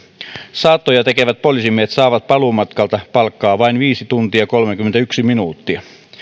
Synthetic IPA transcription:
sɑt̪ːojɑt̪ekeʋæt̪̚polisimeːt̪sɑːʋɑt̪̚pɑlumɑt̪kɑlt̪ɑpɑlkːɑːʋɑinʋiːsit̪unt̪iɑkolmek̟ymːent̪æyksiminuːt̪ːiɑ

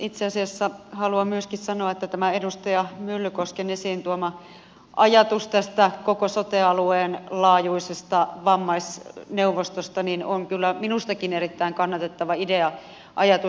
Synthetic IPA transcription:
it̪seɑsiɑsːɑhɑluɑmmyøskissɑnoɑet̪ːæt̪æmæedust̪ɑjɑmylːykoskenesiːnt̪uomɑ | ʔɑjɑt̪ust̪æst̪ækokosot̪eɑlueːnlɑːjuisest̪ɑʋɑmːɑisneuʋːost̪ost̪ɑninoŋkylːæminust̪ɑkineɾit̪ːæiŋkɑnːɑt̪et̪ːɑʋɑideɑ | ʔɑjɑt̪u

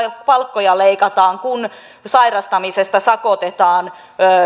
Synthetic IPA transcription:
pɑlkːojɑleikɑt̪ɑːŋkun | sɑirɑst̪ɑmisest̪ɑsɑkot̪et̪ɑːnː

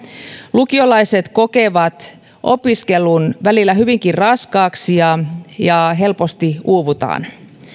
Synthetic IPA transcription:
lukiolɑiset̪ko̞keʋɑt̪ | ʔo̰piskelunʋælilːæhyʋiŋkirrɑskɑːksijɑjɑɦe̞lpo̞st̪iuːʋut̪ɑ̰ːn

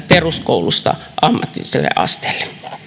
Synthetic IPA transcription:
peruskoulust̪ɑ̰ | ʔɑmːɑt̪ːˑiliselːḛʔɑ̰st̪e̥ːlːe

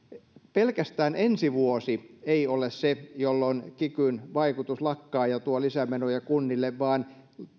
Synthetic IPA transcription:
pelkæst̪æːnʔensiʋuosieiolessejolːonkikynʋɑikut̪uslɑkːɑːjɑt̪uɑlisæmenojɑkunːilːeʋʋɑːn

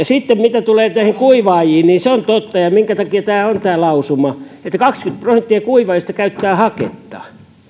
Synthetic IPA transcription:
jɑsit̪ːemmit̪æt̪uleːnæˑihiŋkuiʋɑːjiːnniːnseont̪ot̪ːɑjɑmiŋkæt̪ɑkiɑt̪æːont̪æːlɑusumɑet̪ːækɑkskynt̪̚prosent̪ːiɑkuiʋɑːjist̪ɑkæyt̪ːæːhɑkḛt̪ːɑ̥̰

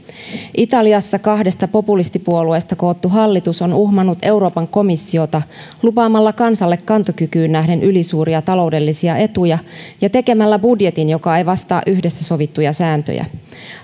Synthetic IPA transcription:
ʔit̪ɑliɑsːɑkɑɦde̞st̪ɑpo̞pulist̪ipuo̞lue̞ːst̪ɑko̞ːt̪ːuɦɑlːit̪uso̞nuhmɑnːut̪e̞uɾo̞ːpɑŋko̞misːio̞t̪ɑlupɑːmːɑlːɑkɑnsɑlːe̞kːɑnt̪okykyːnːæɦde̞nʔylisuːɾiɑt̪ɑlo̞ude̞lːisiɑʔe̞t̪ujɑjɑt̪e̞ke̞mælːæbudje̞t̪injo̞kɑejʋɑst̪ɑ̰ːʔyhde̞sːæso̞ʋit̪ːujɑsæːnt̪ø̰jæ̰

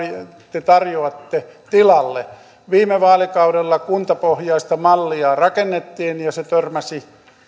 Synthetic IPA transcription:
t̪et̪ɑrjoɑt̪ːet̪ilɑlːḛ | ʋiːmeʋɑːlikɑuɾelːɑkunt̪ɑpohjɑist̪ɑmɑlːiɑːrɑkenːet̪ːiːnjɑset̪ørmæsi

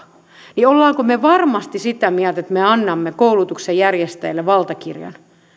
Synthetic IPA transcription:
niolːɑːkomeʋɑrmɑst̪isit̪æmiælt̪et̪meɑnːɑmːekoulut̪uksejjærjest̪æilːeʋɑlt̪ɑkḭrjɑ̰n

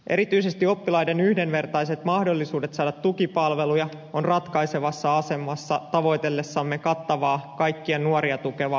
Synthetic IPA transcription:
ʔe̞ɾit̪yise̞st̪io̞pːilɑjdenyhde̞nʋe̞rt̪ɑjse̞t̪mɑhdo̞lːisuːde̞t̪sɑːdɑt̪t̪ːukipɑlʋe̞lujɑ | onrɑt̪kɑjseʋɑsːɑɑse̞mːɑsːɑt̪ɑʋo̞jt̪e̞lːesːɑmːekɑt̪ːɑʋɑːkɑjkːiɑnuoɾiɑt̪ukeʋɑ

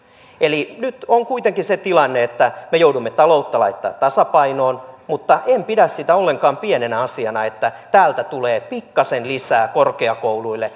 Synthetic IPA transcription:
elinyt̪oŋkuit̪eŋkiset̪ilɑnːeet̪ːæmejoudumːet̪ɑlout̪ːɑlɑ̰it̪ːɑ̰ːt̪t̪ɑsɑpɑinoːnmut̪ːɑʔempidæssit̪æolːeŋkɑːmpienenæɑsiɑnɑet̪ːæt̪æːlt̪æt̪uleːpikːɑsenlisæːkorkeɑkouluilːe

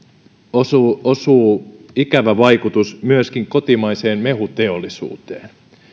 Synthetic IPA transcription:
osuosuːikæʋæʋɑjkut̪usmyøskiŋko̞t̪imɑise̞ːnmeɦut̪e̞olːisṵːt̪eːn

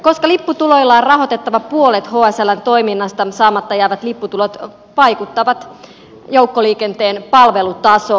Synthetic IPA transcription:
ko̞skɑlipːut̪ulo̞ilːɑːrrɑɦo̞t̪et̪ːɑʋɑpuolet̪hoːæsælːænt̪o̞iminːɑst̪ɑsɑːmɑt̪ːɑjæːʋæt̪lipːut̪ulot̪ | ʋɑjkut̪ːɑʋɑt̪ | jowkːoliːkent̪eːnpɑlʋelut̪ɑso

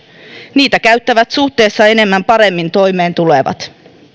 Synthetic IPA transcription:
niːt̪ækæɥt̪ːæʋæt̪suht̪e̞ːsːɑe̞ne̞mːæmpɑɾe̞mːint̪o̞jme̞ːnt̪uleʋɑ̰t̪

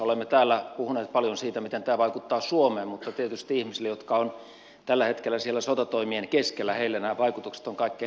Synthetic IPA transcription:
olemːet̪æːlːæpuhuneːt̪̚pɑljonsiːt̪æmit̪ent̪æːʋɑikut̪ːɑːsuomeːmmut̪ːɑt̪iet̪yst̪iihmisilːejot̪kɑon | t̪ælːæhet̪kelːæsielːæsot̪ɑt̪oimienkeskelːæheilːænæːʋɑikut̪ukse̥t̪oŋkɑˑikːe

